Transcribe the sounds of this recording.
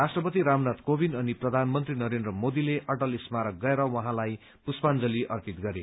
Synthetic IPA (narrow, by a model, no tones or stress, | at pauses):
rasʈrʌpʌt̪iɾamnʌt̪kobinʌniprʌd̪ʱanmʌnt̪rinʌɾend̪rʌmod̪ileʔʌʈʌlismaɾʌk̚ɡʌeɾʌwʌɦãlaj | puspand͡zʌliʔʌrpit̪̚ɡʌɾe